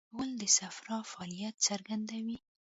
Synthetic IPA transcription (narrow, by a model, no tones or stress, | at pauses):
wəld̪əsafɾɑfaːlijat̪saɾɡand̪awi